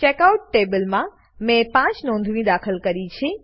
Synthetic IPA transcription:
t͡ʃekauʈːebəlmã | mẽpãt͡ʃnɔ̃nd̪ʱʋĩd̪akʰəlkəɾit͡ʃʰe

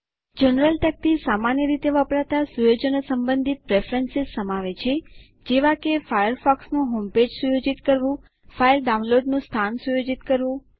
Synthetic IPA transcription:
d͡ʒənɾəlʈ̪ək̚t̪ʰisamanjəɾit̪eʋəpɽat̪asujod͡ʒənəsəmbənd̪ʱit̪̚pɾefɾensissəmaʋet͡ʃʰe | d͡ʒeʋakefajəɾfɔksnũɦomped͡ʒsujod͡ʒit̪kəɾʋũ | fajəɾɖaunloɖnũst̪ʰansujod͡ʒit̪kəɾʋũ

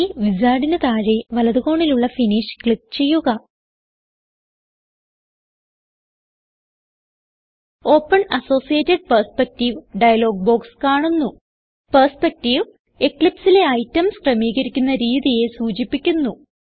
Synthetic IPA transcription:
ʋid͡ʑaːɽinɨt̪aːɻeʋɐlɐðuɣo̞ːɳiluɭːɐfiniʂkɭik̚ːt͡ɕe̞jːuɣɐ | o̞ːpːɐɳɐso̞ːsijeːtːɐɖ̚pɐrspek̚tiʋɖɐjɐlo̞ːɡ̚bo̞ːkskaːɳunːu | pɐrspek̚tiʋ | ekɭipsile̞ɐjtːɐmskrɐmiːɣɐɾikʲːunːɐɾiːðije̞suːt͡ɕipːikʲːunːu

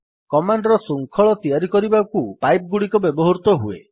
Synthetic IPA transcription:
kɔmaɳɖɾɔsuŋkʰɔɭɔt̪iaɾikɔɾibakupajp̚ɡuɽikɔbebɔɦɔɾut̪ɔɦuḛ

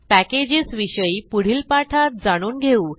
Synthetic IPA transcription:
pæked͡ʑisʋiɕəipuɽ̤iːlpaʈʰat̪̚d͡zaɽ̃uːnɡʱeũː

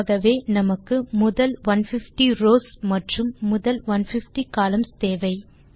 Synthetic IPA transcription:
ɣɐʋeːnɐmɐkːɯmʊðɐlʋɐnfɪfʈiɾoːsmɐʈrɯmːʊðɐlʋɐnfɪfʈikaːlɐmst̪eːʋɐɪ

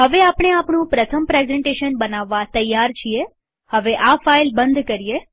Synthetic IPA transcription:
ɦəʋeapɳ̃eapɳũpɾət̪ʰəmpɾezɛɳʈeʃənbənaʋːat̪əjːaɾt͡ʃʰie | həʋeʔafailbənd̪ʱkəɾie

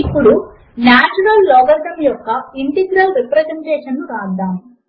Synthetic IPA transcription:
ipːuɽu | naːt͡ʃuɾɐlːɔːɡɐɾʈ̪ɐmjɔkːɐiɳʈeɡɾɐlɾipɾɐt̪ɐmʈɛːʃɐnuɾaːd̪aːm

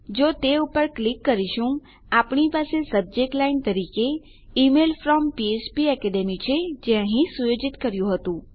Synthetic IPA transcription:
d͡ʒot̪eupəɾklikːəɾiʃũ | apɳipasesəb̚d͡ʒek̚ʈlaint̪əɾike | imelfɾɔmpiet͡ʃpiɛkɛɖemit͡ʃʰed͡ʒẽə̃ɦĩsujod͡ʒit̪kəɾjũɦət̪ũ

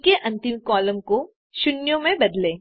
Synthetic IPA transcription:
keʔɐ̃nt̪ɪmkɔːləmko | ʃʊnjõmẽbɐd̪lẽː

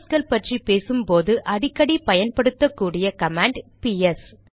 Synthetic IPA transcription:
skɐlpɐʈripeːsɯmpoːðɯʔɐɽɪkːɐɽipɐjɐnpɐɽɯt̪ːɐkːuːɽɪjɐkɐmaːɳɖpiɛs

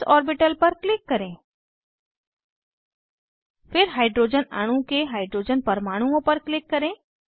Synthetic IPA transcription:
ɔːɾbɪʈəlpɐɾklɪkːɐɾẽː | fʰɪɾɦaːɪɖɾoːd͡ʒəna̰ːɽ̃ũkeɦaːɪɖɾoːd͡ʒənpɐɾmaːɽ̃uõpɐɾklɪkːɐɾẽː

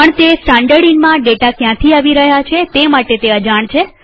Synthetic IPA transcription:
pəɳt̪esʈãɳɖəɽinmãɖeʈakjãt̪ʰiaʋiɾəɦjat͡ʃʰet̪emaʈet̪eəd͡ʒaɳt͡ʃʰe

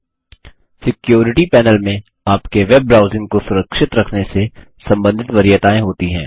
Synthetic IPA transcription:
sɪkjoːɾɪʈipɛːnəlmẽ | aːpkeʋeb̚ːɾaːʊzɪ̃ŋɡ̚kosʊɾəkʃɪt̪ɾɐkʰnese | sɐ̃mbə̃nd̪ʱɪt̪ʋɐɾɪjət̪aːẽɦoːt̪iɦɛ̰̃ː

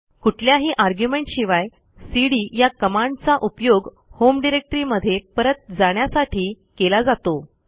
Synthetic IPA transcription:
kuʈʰljaɦiːʔaɾɡjumeɳʈɕiʋaj | siɽiːjakəmaɳɖt͡saʔupjoɡ | homɖiɾek̚ʈəɾiːməd̪ʱːjepəɾət̪̚d͡zaɽ̃jasaʈʰiː | kelad͡zat̪o

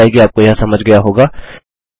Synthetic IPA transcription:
eɡiaːp̚kojɐɦãsɐməd͡ʒʱɡɐjaɦoːɡaː

